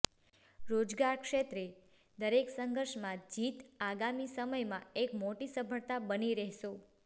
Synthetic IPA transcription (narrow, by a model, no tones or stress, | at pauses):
ɾod͡ʒɡaɾkʃet̪ɾe | d̪əɾeksəŋɡʱəɾʃmãd͡ʒit̪aɡamisəməjmãekmoʈisəbʱəɭt̪abəniɾɛɦʃo